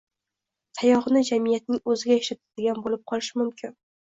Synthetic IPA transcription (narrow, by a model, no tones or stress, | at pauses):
sʰajɒʁɨnɪd͡ʒamijat̪̚nɪŋɵzɪɡʲajaʃlat̪ʰad̪ɪɡʲanbolɪp̚qʰɒlˠɪʃɪmʊmkʲʰɪn